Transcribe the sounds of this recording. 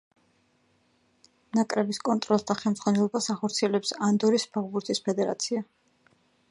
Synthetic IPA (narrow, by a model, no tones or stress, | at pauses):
mnakʼɾɛbiskʼɔnt̪ʼɾɔlˠsd̪aχɛlˠmz̥ʁwanɛlˠɔbasaχɔɾt̪sʰiɛlɛpsand̪ɔɾispʰaʁbuɾt̪ʰʼispʰɛd̪ɛɾa̰t̪sʰia